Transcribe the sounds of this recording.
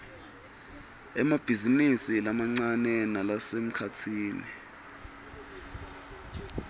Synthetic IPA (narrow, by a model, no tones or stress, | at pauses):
ɛmab̥ʱizinisilamaŋ͡ǀanɛnalasem̩kʰatʰiːni